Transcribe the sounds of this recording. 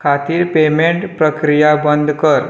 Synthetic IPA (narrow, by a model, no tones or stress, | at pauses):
kʰat̪iːɾpemeɳʈpɾəkɾijabənd̪ʱkəɾ